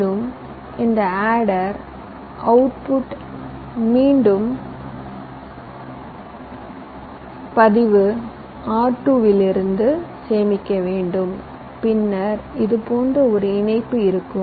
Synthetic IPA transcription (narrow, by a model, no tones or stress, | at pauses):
ɯm | ɪnd̪ɐaːɽɐɾ | ɐʊʈpʊʈ | miːɳɖɯm | pɐðɪʋɯ | aːɾʈːuːʋɪlɪɾɯnd̪ɯseːmɪkːɐʋeːɳɖɯm | pɪnːɐɾɪðɯpoːndrɯɔɾɯɪnɐɪpːɯɪɾɯkːɯm